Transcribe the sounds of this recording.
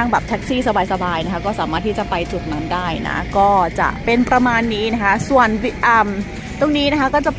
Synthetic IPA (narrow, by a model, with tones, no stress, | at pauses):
a˥˩ŋbɛː˨˩p̚t̪ʰɛ˦˥k̚siː˥˩sa˧baː˧jsa˧baː˧jna˥kʰa˦˥kɔː˥˩saː˩˦maː˥˩t̪ʰːiː˥˩t͡ɕa˨˩pa˧jt͡ɕu˨˩t̪̚na˦˥ndaː˥˩jna̰˦˥kɔː˥˩t͡ɕa̰˨˩ʔpe˧npɾa˧maː˧nːiː˦˥na˦˥kʰa˦˥su˨˩ənwi˧ʔa˧˩m | t̪u˧˩ŋniː˦˥na˦˥kʰa˦˥kɔː˥˩t͡ɕa˨˩